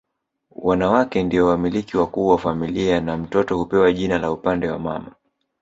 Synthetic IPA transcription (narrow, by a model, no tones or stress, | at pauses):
wʔanawakɛndiɔwamilikiwakuːwafamilianam̩tɔtɔhupɛwaʄinalaupandɛwa̰ma̰ma